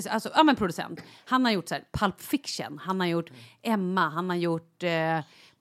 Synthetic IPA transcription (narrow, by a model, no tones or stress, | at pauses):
sʔalsɔʔaːmɛnpʰɾʊd̪ɵsɛ̰nt̪hanhaɾjʊʈːsæ̰ːɾpʰalpfɪkʂə̰nhanhaɾjʊʈːɛmːaɦanhaɾjʊʈː